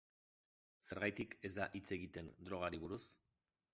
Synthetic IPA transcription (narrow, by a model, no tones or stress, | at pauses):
se̞ɾɣajt̪ike̞zd̪a̰ʔit͡se̞ɣit̪e̞nd̪ɾo̞ɣ̞aɾiβ̞uɾus